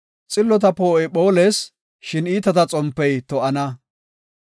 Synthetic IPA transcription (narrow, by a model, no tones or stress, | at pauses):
t͡sʼɪlːɔt̪̬ɐpoːɛpo̞ːleːs | ʃɪniːt̪ɐt̪ɐt͡sʼɔmpːɛjt̪ɔʔɐnɐ